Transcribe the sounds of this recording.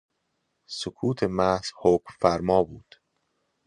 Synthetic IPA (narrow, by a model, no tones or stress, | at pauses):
sokʰuːt̪ʰe̞mæhz̥hokmfæɾmɒːbuːd̪̥